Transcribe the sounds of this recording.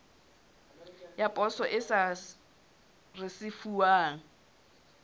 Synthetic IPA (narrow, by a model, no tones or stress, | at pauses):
japʼɔsɔʔɪsa | rɪsɪfuaːŋ̩